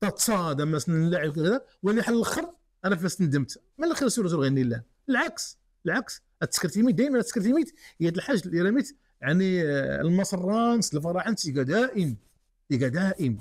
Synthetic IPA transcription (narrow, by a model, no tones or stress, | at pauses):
t̪ɑt̪sɑd̪æmæsnənlaʕəbk̬̪æd̪æwæniħəlːəlxəɾˤ | ʔænæflæst̪nd̪əmt̪ | mælæxiɾæsuɾt̪̬ulɣænːilːæ | əlʕaks | əlʕaks | æt̪ːə̥skɾt̪imit̪̚d̪æjmænæt̪ə̥skɾt̪imit̪hæd̪əlħaʒəlʔiɾæmit̪ | jʕanilmɑsˤrˤːɑnsəlfɑɾˤɑħant̪iɡæd̪æʔəm | əɡæd̪æʔəm